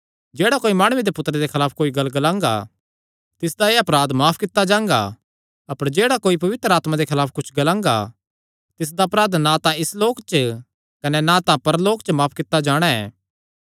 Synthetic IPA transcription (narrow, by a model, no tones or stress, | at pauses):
d͡ʒeːɽakoːimaːɽ̃ʊed̪epʊt̪ːɾed̪ekʰɐlaːpʰkoːiɡɐlɡɐlãːŋɡa̰ | t̪ɪsd̪aeːɐpɾaːd̪maːpʰkɪt̪ːad͡ʒãːŋɡa̰ | ɐpəɾd͡ʒeːɽakoːipɐʋɪt̪ɾəaːt̪mad̪ekʰɐlaːpʰkʊt͡ʃʰɡɐlãːŋɡa̰ | t̪ɪs̬d̪aɐpɾaːd̪nat̪ãɪsloːkt͡ʃ | kɐnɛnãt̪ãpɐɾloːkt͡ʃmaːpʰkɪt̪ːad͡ʒaːɽ̃aɛ̰ː